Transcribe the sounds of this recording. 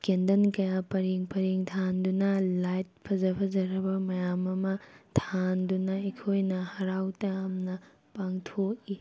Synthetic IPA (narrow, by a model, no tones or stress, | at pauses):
kendɐnkɐjapɐɾiŋpɐɾiŋtʰandunɐlajt̚pʰɐzɐpʰɐzɐɾɐbɐmɐjamɐmɐtʰandunɐekʰojnɐhɐɾawtɐjamnɐ | paŋtʰoki